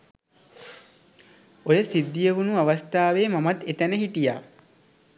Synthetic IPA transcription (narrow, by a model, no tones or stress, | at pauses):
ojəsid̪ːijeʋunuaʋast̪aːʋeːmamat̪et̪ænəɦiʈija̰ː